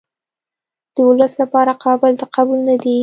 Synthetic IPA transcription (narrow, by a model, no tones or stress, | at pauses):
d̪̥əwʊləslapɑɾaqʰɑbɪld̪əqabulnad̪i